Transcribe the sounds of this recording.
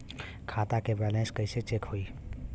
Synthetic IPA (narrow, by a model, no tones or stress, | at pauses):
kʰat̪akebɾɛlẽnskəɪset͡ʃekhoi